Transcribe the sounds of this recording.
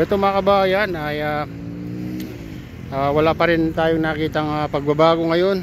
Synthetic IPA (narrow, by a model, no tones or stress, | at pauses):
ʔɛt̪omɐŋɐkɐbaːjanʔaja | aːwɐlapɐɾɪnt̪aːjoŋnakiːt̪ɐŋapɐɡ̚bɐbaːɡoŋɐjo̞n